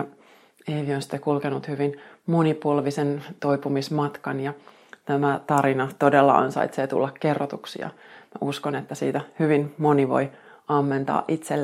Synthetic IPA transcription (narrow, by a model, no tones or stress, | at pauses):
eiʋionsi̥t̪ːekulkenut̪hyʋinmonipuolʋisent̪oipumismɑt̪kɑnjɑ | t̪æmæt̪ɑɾinɑt̪odelːɑ̰ɑ̰nsɑ̰it̪set̪ṵlːɑkkerːot̪uksḭɑ̰mæuskonet̪ːæsḭːt̪æhyʋinmoniʋo̰j | ɑmːent̪ɑ̰ːʔʔit̪selː